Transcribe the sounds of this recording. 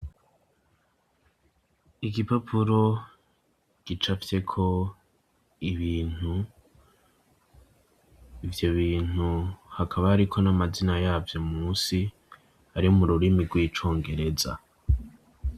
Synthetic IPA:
iɡipapʰuɾo̞ | ɡ̥it͡ʃafje̞kʰo̞ | iβiːn̥u | ivjo̞βiːn̥uhakʰaβaːɾikʰo̞namazinajaːvjomuːsi | haɾiomuɾuɾimiɡwiːt͡ʃo̞ːŋɡe̞ɾe̞za̰

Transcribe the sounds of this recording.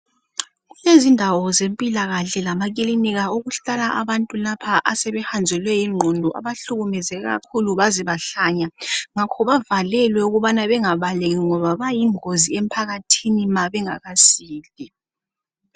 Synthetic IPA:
ɣulezindʱawɔzempʼilaɣaɬɛlamak̬iliniɣaoɣuɬalaʔaβantʼulapʰaʔasɛβɛxand͡zʱɛlwɛjiŋ͡ǃʱɔndʱɔʔa̰βaɬuɣumɛzɛɣa̰kʰuluβaziβaɬaɲaŋakʰɔβavalɛlwɛuɣuβanaβɛŋaβaleɣiŋɔβaβajiŋoziem̩pʰaɣatʰinimaβɛŋaɣasiːli

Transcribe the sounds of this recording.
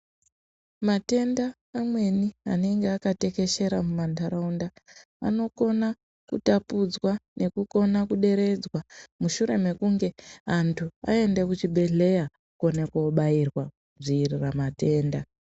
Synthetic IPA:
mate̞ndaː | mwe̞nia̰ne̞ŋɡeakate̞ke̞ʃe̞ɾamumantaɾaunda | a̰no̞ko̞na | kutapud͡zwane̞kuko̞nakuɗe̞ɾe̞d͡zwamuʃuɾe̞me̞kuŋɡe̞antʰua̰e̞nde̞kut͡ʃiɓʱe̞ɮe̞ja | ko̞nekoɓairwakud͡ziːriramate̞ːnda

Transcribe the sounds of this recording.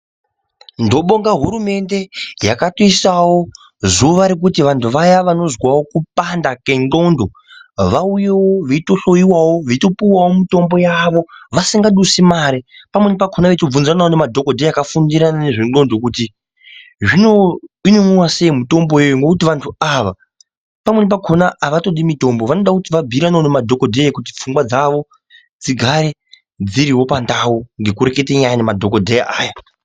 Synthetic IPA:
ndo̞ɓo̞ŋɡaɦuɾume̞nde̞jakato̞isawo̞ | zuʋaɾek̬utiʋantʰuʋajaʋano̞zwawo̞kupandakeŋɡo̞ndo̞ | ʋauje̞wo̞ʋeito̞ɬo̞jiwawo̞ʋeito̞piwawo̞mito̞mbo̞jaʋo̞ʋasiŋɡaɗusimaɾipamwe̞nep̬akʰonaʋetob͡vunzranawonemadʱo̞kodʱejakafundiɾanane̞ʐino̞ndo̞kuti | ʐino̞inomuwase̞imuto̞mbojejoŋɡo̞kutiʋantʰuaʋa | pamwe̞nep̬akʰo̞naːʋato̞ɗimito̞mbo̞ʋano̞ɗakutiʋabʱiɾanaonemadʱo̞ko̞dʱejakuti̥p͡fuŋɡwad͡zaʋo̞ | d͡ziɡʱaɾe̞ | d͡ziɾiwo̞pandawoŋɡe̞kuɾeketeɲajanemadʱo̞ko̞dʱeja̰ʔaːja

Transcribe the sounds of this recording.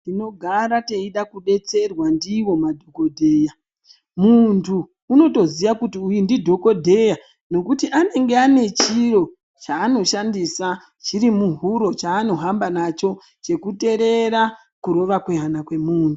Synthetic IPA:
dino̞ɡʱaɾate̞iɗakuɓe̞t͡se̞rwandiwo̞madʱoko̞dʱe̞ːja | muntʰuː | no̞to̞ziʋakutiujindidʱo̞ko̞dʱe̞ja | no̞kutiʔane̞ŋɡe̞ane̞t͡ʃiɾo̞ | t͡ʃaːno̞ʃandisa | t͡ʃiɾimuɦuɾo̞t͡ʃaːno̞ɦambanat͡ʃo̞ | t͡ʃe̞kute̞ɾe̞ɾa | kuɾo̞ʋakweɦanakwe̞muːntu

